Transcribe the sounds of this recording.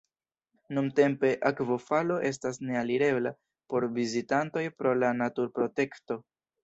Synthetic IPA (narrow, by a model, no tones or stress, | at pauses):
nunte̞mpe̞ʔakvo̞falo̞ʔe̞s̬tasne̞aliɾe̞bla̰ | po̞ɾvizitanto̞jpɾo̞lanatuɾpɾo̞te̞kto̞